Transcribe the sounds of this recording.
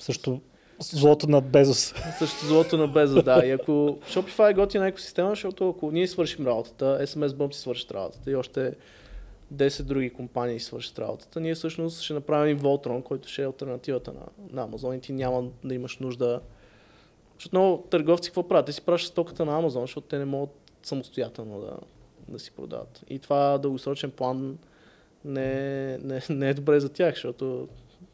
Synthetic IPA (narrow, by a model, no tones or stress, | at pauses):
sɤʃt̪ʊ | zlˠɔt̪onɐbɛzossɤʃt̪ʊzlˠɔt̪onɐbɛzəd̪aiɐkoʃɔpifajɡɔt̪vʲinɐɛkʊsi̥st̪ɛməzʃɔt̪ʊɐkʊniɛsvɤɾʃimɾabot̪ə̥t̪əɛsɛmɛzbɤmsi̥svɤɾʃə̥t̪ɾa̰bo̰t̪ə̥t̪əiɔʃt̪ɛ | d̪ɛsɛd̪̚d̪ɾuɡikompaniːsvɤɾʃə̥t̪ɾa̰bo̰t̪ə̥t̪əniɛfsɤʃnʊst̪ʃɛnɐpɾavimvɔlˠt̪ɾɔnkɔjt̪ʊ̥ʃɛɐlˠt̪ɛɾnɐt̪ivət̪ənɐ̰nɐːmɐzɔnit̪inʲjaməd̪ɐiməʃnuʒd̪ə | ʃot̪nɔʊt̪əɾɡɔft̪sikəkvɔpɾavit̪t̪ɛsi̥pɾavəʃi̥st̪ɔkə̥t̪ənɐːmɐzɔnzʃtɔt̪ʊ̥t̪ɛnɛmɔɡət̪ | sɐmost̪ojat̪ɛlˠnod̪ɐ̰ | d̪ɐsi̥pɾo̰d̪a̰və̰t̪ḭt̪ovad̪əlˠɡosɾɔt͡ʃɛnplˠanː | ɛnɛnɛɛd̪obɾɛzɐt̪ʲjaxʃt̪ɔt̪o